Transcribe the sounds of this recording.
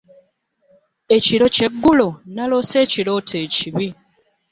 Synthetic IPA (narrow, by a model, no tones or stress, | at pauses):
e̞ciɾo̞ce̞ɡːulonalo̞se̞ːciɾo̞ːtʰe̞ːciβi